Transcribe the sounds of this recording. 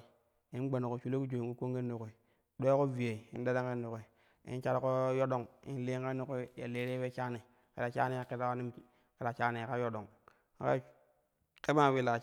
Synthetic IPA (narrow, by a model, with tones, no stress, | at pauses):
i˦n˦ɡ͡ba˨no˨ko˨t͡ʃu˦lo˦ku˦d͡ʒo˨ku˦ko˦ŋɡe˦nː˦u˨ke˨ | ɗʷo˦ko˦vi˨je˨ḭ˦da˦da˦ŋke˦nːu˨ke˨ | ḭ˦n˦t͡ʃa˦ɾko˦jo˦ɗo˨ŋḭ˦n˦le˦ke˦nːu˦ke˦ja̰˨le˦ɾe˦we˦t͡ʃa˦ni˨ | kḛ˨la˨t͡ʃa˦ni˦ja˨ki˦ta˦wa˦ni˦m˦ | ke˨la˨t͡ʃa˦ni˨ka˦jo˦ɗo˨ŋ | a˨˦ka̰˦ | ke˦ba˦˨wi˨la˨